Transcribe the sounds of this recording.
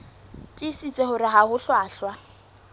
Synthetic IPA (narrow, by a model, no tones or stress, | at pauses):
tʼisit͡sʼeɦʊɾɪɦahʊɬwaːɬwa